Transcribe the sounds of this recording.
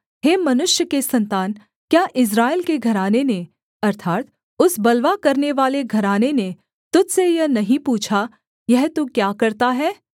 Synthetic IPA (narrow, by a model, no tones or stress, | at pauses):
ɦeːmɐnʊʃjəkesɐ̃nt̪aːn | kjaːʔɪs̬ɾaːɪlkeɡʱɐɾaːnene | ɐɾt̪ʰaːt̪ | ʊsbɐlʋakɐɾneʋaːleɡʱɐɾaːnene | t̪ʊd͡ʒsejɐnɐɦĩpuːt͡ʃʰa | jɛɦt̪okjaːkɐɾt̪aɦɛː